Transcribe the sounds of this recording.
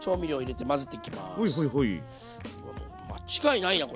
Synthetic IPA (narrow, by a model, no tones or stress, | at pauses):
t͡ɕo̞ːmʲiɾioiɾe̞t̪e̞mazɨt̪ːeikʲima̰hoiɦoiɦoi | ko̰ | ma̰t͡ɕi̥ɡainaij̪ako